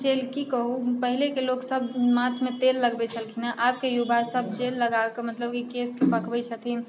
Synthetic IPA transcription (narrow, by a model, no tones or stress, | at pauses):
d͡ʒelkikəɦupəɦilekeloksəbʱmãt̪ʰmet̪elːəɡbet͡ʃʰəlkʰinaʔaːp̚kejubasəb̚ʱd͡ʒelːəɡakemət̪ləb̚kikeskepəkbɛt͡ʃʰət̪ʰin